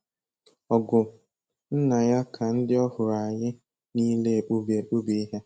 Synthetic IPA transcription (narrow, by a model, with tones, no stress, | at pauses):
ɔ˨ɡʊ˨ | n̩˦na˨ja˦kʰa˨n̩˦dɪ˦ɔ˦hʊ˨ɾa˨ɲɪ˦ | niː˦le˦e˨k͡pu˦be˨k͡pu˦bi˦i˦ɦe˦